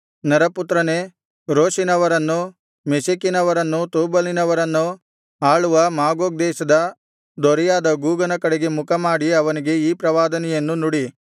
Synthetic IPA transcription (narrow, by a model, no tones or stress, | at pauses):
nɐɾɐput̪ɾɐne̞ | ɾoːʃinɐʋɐɾɐnːu | mesikinɐʋɐɾɐnːut̪uːbɐlinɐʋɐɾɐnːu | aːɭuʋɐmaːɡoːɡ̚d̪ɛːʃɐd̪ɐ | d̪ɔɾɛjaːd̪ɐɡuːɡɐnɐkɐɽeɡe̞mukɐmaːɽiɐʋɐniɡe̞iːpɾɐʋaːd̪ɐnɛjɐnːunuɽi